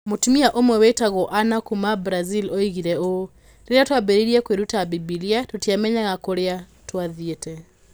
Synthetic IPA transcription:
motumiaʔomwɛwetaɣɔʔanakumabɾazilɔiɣiɾɛo | ɾeɾeatwabɛɾiɾiɛkweɾutabibiliatotjamɛɲaɣakoɾea | twaðjetɛ

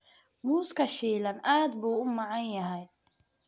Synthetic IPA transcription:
muːskʰɐʃiːlɐnaːd̪buːʊmɑʕɑnjɐɦɛj

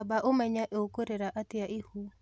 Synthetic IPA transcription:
baʔomɛɲaʔeokoɾeɾaʔat̪ɪaʔihu

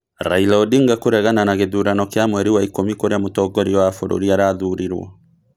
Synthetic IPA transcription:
ɾailaɔdiŋɡakoɾɛɣananaɣeðuɾanɔkeamwɛɾiwaikomikoɾeamotɔɡɔɾiɔwafoɾo̰ɾiaɾaðuɾiɾwɔ̰

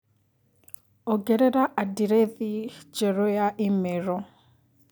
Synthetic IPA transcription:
ɔɡɛɾɛɾaʔadiɾɛðid͡ʒɛɾɔjaʔimeɾɔ

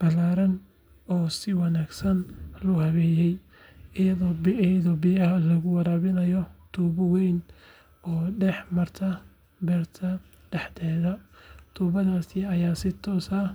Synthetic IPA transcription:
b̥ɐlaːɾɐn | ɔːsɪwɑnaːɡsɐnlʊhɐβɛːjɛj | ɪjɐðɔːbɛðɔːbɪjɐɦɐlɐɣʊwɑɾaːβɪnɐjɔt̪ʰuːbɐwɛjn | ɔːɖɛħmɐrt̪ʰɐ | bɛːrt̪ʰɐ | ɖ̥ɛħt̪ʰɛːðɐt̪ʰuːβɐðaːsɪɐjaːsɪt̪ʰɔːsɐ

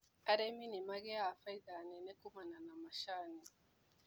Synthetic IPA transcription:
aɾeminimaɡɛjafajdanenekumananamaʃaːni

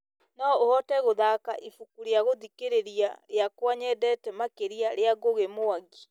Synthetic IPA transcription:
nɔohɔtɛɣoðakaʔifukuɾeaɣoðikeɾeɾiaɾeakwaɲɛdɛtɛmakeɾiaɾeaɡoɣemoaɡi

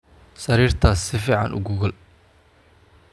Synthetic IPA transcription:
sɐɾiːrt̪ʰɐsːɪfiːʕɑ̰nʔʊ̰ɡʊɣʊl

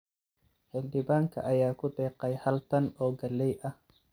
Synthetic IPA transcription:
ħɪld̪ɪβaːŋkʰɐ̰ʔɐjaːkʰʊd̪ɛːqɛjhɐlt̪ʰɐnɔːɡɐlːɛjʔɐh

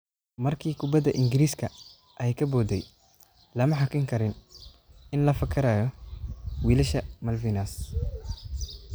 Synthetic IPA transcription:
mɐrkʰiːkʰʊbɐd̪ɐʔɪŋɡɪɾiːskʰɐ | ʔɛjkʰɐbɔːd̪ɛj | lɐmɐħɑkʰɪŋkʰɐɾɪn | ɪnlɐfɐkʰɐɾaːjɔ | wiːlɪʃɐmɐlvinɐs

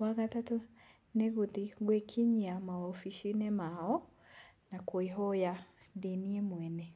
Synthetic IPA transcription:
waɣatato | neɣutiɣwekʰiɲiamaɔfiʃinɛmaɔ | nakoiɦɔja | ndeniemwɛnɛ

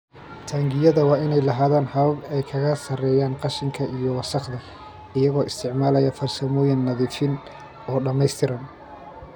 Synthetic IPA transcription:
t̪ʰaːŋɡɪjɐðɐwɑːɪnɛjlɐɦaːðaːnhɐβɐbɛjkʰɐɣɐsɐrɛːjaːnqɑʃɪŋkʰɐʔijɔwɑsɑqd̪ɐ | ɪjɐɣɔːʔɪst̪ʰɪʕmaːlɐjɐfɐrsɐmɔːjɪnːɐðiːfɪn | ɔːɖɐmɛjst̪ʰɪɾɐn

